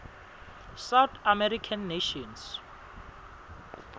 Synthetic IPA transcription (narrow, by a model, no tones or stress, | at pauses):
sawt̪ʰamɛɾikʰanːeʃɔns